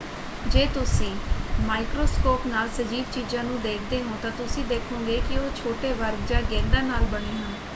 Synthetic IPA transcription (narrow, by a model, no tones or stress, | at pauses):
d͡ʒeːt̪ʊsĩːmaːɪkɾoːskoːpnaːlsəd͡ʒiːʋt͡ʃiːzãːnũːd̪eːkʰd̪eːɦõːt̪ãːt̪ʊsĩːd̪eːkʰõːɡeːkɪoːt͡ʃʰoːʈeːʋəɾɡd͡ʒaːɡɛ̃ːd̪aːnaːlbəɽ̃eːɦən